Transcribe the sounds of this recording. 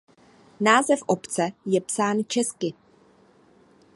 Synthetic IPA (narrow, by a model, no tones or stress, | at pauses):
naːzɛfʔopt͡sɛjɛpsaːnt͡ʃɛskɪ